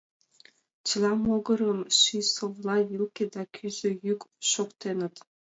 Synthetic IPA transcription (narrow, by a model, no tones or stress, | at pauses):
t͡ɕɯlˠɑmoɡɤ̆ɾɤ̆mʃisovlˠɑvilkʲed̪ɑkʲʰyzɘ̆jykʃokt̪enɘ̆t̪